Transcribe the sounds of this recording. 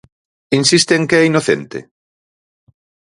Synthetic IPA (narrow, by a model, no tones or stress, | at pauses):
insist̪eːŋkeɛinoθent̪ḛ